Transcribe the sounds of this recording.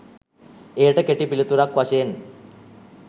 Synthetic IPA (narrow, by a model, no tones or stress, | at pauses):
eːʈəkeʈipilit̪uɾakʋaɕeːn